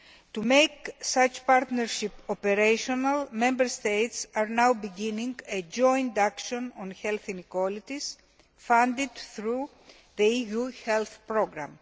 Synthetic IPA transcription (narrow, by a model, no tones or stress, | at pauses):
t̪umejksɐt͡ʃpaɾt̪neɾʃipopeɾejʃonɐlmẽmbeɾst̪ejt̪sɐɾnawbiɡinĩŋɡed͡ʒõ̞jnd̪akʃõnõnçelθinikwolit̪is | fãnd̪id̪θɾu | ðeijuhelθpɾoɡɾɐ̰m